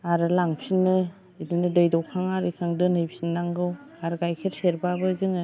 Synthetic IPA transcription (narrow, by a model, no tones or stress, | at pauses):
aɾɯlaŋpʰinːɯ | idɯnɯdɯjdɔwkʰaŋaɾɯjkʰaŋdɯnɯjpʰinːaŋɡɯwaɾɡajkʰeɾseɾbabɯzɯŋɯ